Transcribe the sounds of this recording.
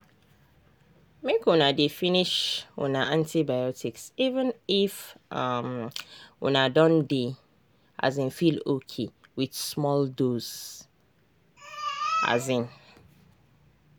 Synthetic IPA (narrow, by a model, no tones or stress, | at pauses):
mekwʊ̃nãdefiniʃwʔʊ̰̃nãʔãntʰibajɔtʰiksivə̃nifamwʊ̰̃nãdɔ̃nde | a̰zɪ̃nfilokʰewiθsmɔldoz | a̰zɪ̃n